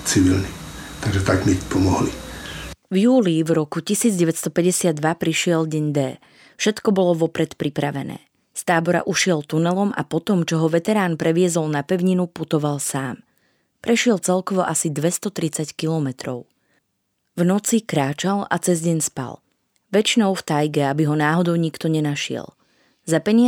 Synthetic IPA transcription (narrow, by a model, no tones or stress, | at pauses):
t͡siʋilnit̪aɡʒɛt̪aɡmipɔmɔɦli | vjuːlivɾɔkucisiːd͡zɟɛʋɛt̪st̪ɔpɛɟɛsɪad̪ːʋapɾiʃɪɛlɟɛɲd̪ɛː | fʃɛt̪kɔbɔlɔʋɔpɾɛt̪pɾipɾaʋɛnɛ̰ː | st̪aːbɔɾa̰ʔuʃɪɛlt̪unɛlɔmʔa̰pɔt̪ɔmt͡ʃɔɦɔʋɛt̪ɛɾaːnpɾɛʋɪɛzɔlnapɛʊɲinuput̪ɔʋalsaːm | pɾɛʃɪɛlt͡sɛlkɔʋɔʔasid̪ʋɛst̪ɔt̪ɾit͡sackilɔmɛt̪ɾɔ̰ʊ | vnɔt͡sikɾaːt͡ʃala̰t͡sɛzɟɛɲspa̰l | ʋɛt͡ʃinɔʊft̪ajɡɛabiɦɔnaːɦɔd̪ɔʊɲikt̪ɔɲɛnaʃɪɛ̰l | zapɛɲɪ